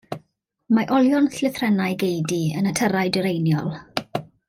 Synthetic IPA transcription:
maʔɔlˠjɔnθlɪθrɛnajɡejdiənətʰəɾajdəɾejnjɔlˠ

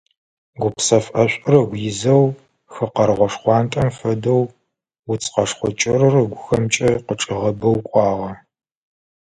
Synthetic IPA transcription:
ɡʷʊpsɐfʼɐɕʷʼɪrɐɡʷjɪzɐw | xɨqɐɾʁʷɔʂχʷɑːntʼɐmfɐdɐw | wʊt͡sʰʼqɐʂχʷɔt͡ʃʼɪrɨrɨɡʷʊxɐmt͡ʃʼɐqəʈ͡ʂʼɨʁɐbɐwkʷʼɑːʁɐ

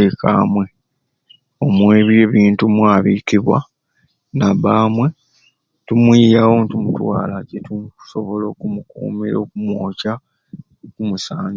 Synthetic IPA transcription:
eka̰ːmwe̞ | o̞mwe̞ːβje̞ːβiːntumwaːβiːkiβwa̰ | naβaːmwe̞ | tumwijawotumutwa̰ːlacetuso̞βo̞lo̞ːkumukṵːmiɾo̞kumwo̞ːca | okumusaːɲ

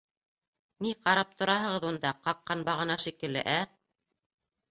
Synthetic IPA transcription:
niqɑɾɑp̚t̪ŏɾɑɦɤ̆ʁɤ̆ðund̪ɑqɑqːɑnbɑʁɤ̆nɑʃikɘ̆lːɘ̰ʔæ

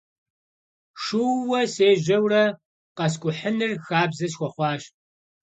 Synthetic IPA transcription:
ʂuwɐseːʒɐwrɐ | qɐs̬kʷʼʊħənɨrxaːbzɐsxʷɔχʷɑːɕ

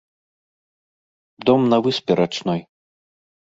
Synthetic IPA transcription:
d̪ɔmnɐvɨsʲpʲɛɾʔat͡ʂnɔj

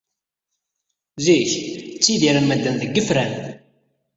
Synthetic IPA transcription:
ziçt͡sːiðiɾanmæd̪ːænðəɡːəfɾæn

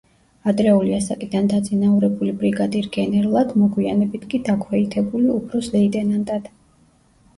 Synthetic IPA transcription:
ad̪ɾɛuliasakʼid̪and̪ad̪zinauɾɛbulibɾiɡad̪iɾɡɛnɛɾlˠad̪mɔɡwianɛbit̪ʰkʼid̪akʰwɛit̪ʰɛbuliupʰɾɔslɛid̪ɛnand̪ʼad̪̥

